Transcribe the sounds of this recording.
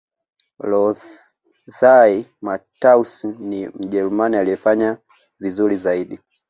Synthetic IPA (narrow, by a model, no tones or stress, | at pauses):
lɔ | θaimatausnim̩ʄɛɾumanialijɛfaɲa | vizulizaiɗi